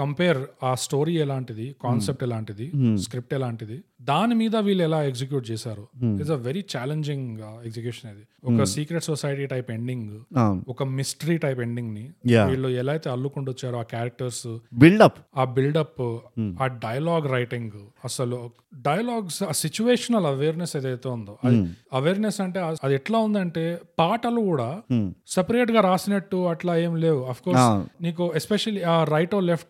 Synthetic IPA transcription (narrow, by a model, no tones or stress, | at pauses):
kɐmpeːɾaːsʈo̞ːɾiːɛlaːɳʈid̪ikaːnsep̚ʈɛlaːɳʈid̪iskɾip̚ʈɛlaːɳʈid̪id̪aːnimiːd̪ɐʋiːɭːɛlaːekd͡ʒik̬juːʈ̚t͡ʃɛːsaːɾuizɐʋeɾit͡ʃaːleɲd͡ʒiŋɡekd͡ʒikjuːʂɐned̪i | ɔkɐsiːkɾeʈsosajʈiːʈɐjpe̞ɳɖiŋɡaɔkɐmisʈɐɾiʈɐjpe̞ɳɖiŋɡnijaʋiːɭːuɛlaːjt̪eːɐlːukuɳɖot͡ʃːaːɾuaːkaːɾɐk̚ʈɐɾsbilɖɐpaːbilɖɐpːaːɖɐjɐlaːɡɾɐjʈiŋɡɐsɐlu | ɖɐjɐlaːɡsaːsit͡ʃuʋeːʂɐnɐlɐʋeːɾnesed̪ɐjt̪eːund̪oɐɐd̪iɐʋeːɾnesɐɳʈe̞ːɐɐd̪iɛʈlaːund̪ɐɳʈe̞ːpaːʈɐlukuːɽaːsɐpɐɾeːʈ̬ɡaːɾaːsinɐʈːuɐʈlaːeːmleːwuɐpʰkoːsniːk̬uespeʂɐliaːɾɐjʈoːlepʰʈ̚